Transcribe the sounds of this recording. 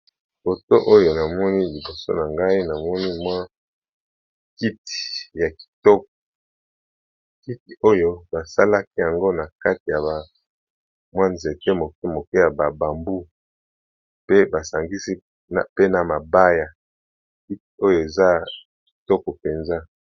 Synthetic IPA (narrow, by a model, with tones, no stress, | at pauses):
fo˨to˦ʔo˦jo˨na˨mɔ˦ni˦li˨bo˨so̰˦na˨ŋɡa˦i˦na˨mɔ˦ni˦mwa˦ | ki˦ti̥˨ja˨ki̥˨tɔ˦k̚ɔ˨ | ki˦ti˨o˦jo˦ba˨sa˦la˦ki˦ja˨ŋɡo˦na˨ka˦ti˨ja˨ba˨ | mwa˦nze˨te˦mo˨ke˦mo˨ke˦ja˨ba˨ba˨mbu˦ | pe˦ba˨sa˨ŋɡi˦si˦ | na˨pe˦na˨ma˨ba˦ja˨ | ki˦t̚i˨o˦jo˦˨e˨za˦ | ki̥˨tɔ˦kɔ˨pe˨nza˦